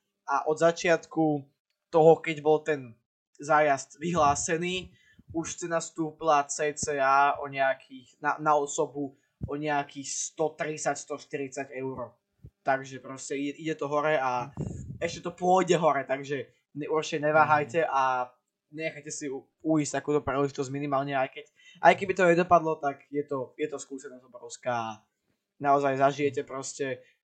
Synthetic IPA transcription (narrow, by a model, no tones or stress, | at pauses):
ʔaʔɔd̪zat͡ʃɪat̪ku | t̪ɔɦɔkɛɟbɔlt̪ɛn | zaːjazt̪ʋiɦlaːsɛniː | uʃstɛnast̪uːpilat͡sɛːt͡sɛːaːɔɲɛakʰiːxnanaɔsɔbu | ɔɲɛakiːxst̪ɔt̪ɾit͡sacst̪ɔʃt̪iɾit͡saɟɛʊɾɔ | t̪aɡʒɛpɾɔscɛiɛʔiɟɛt̪ɔɦɔɾɛaɛʃcɛt̪ɔpʊɔɟɛɦɔɾɛt̪aɡʒɛ | ɛurt͡ʃɛɲɛʋaːɦajcɛʔa | ɲɛɲɛxajcɛsi | uist̪akuːt̪ɔpɾilɛʒit̪ɔzɟminimaːlɲɛajkɛc | ʔa̰jkɛbit̪ɔɲɛd̪ɔpad̪lɔt̪aɡjɛt̪ɔjɛt̪ɔskuːsɛnɔzɔbɾɔʊskaː | naɔzajzaʒijɛcɛpɾɔscɛ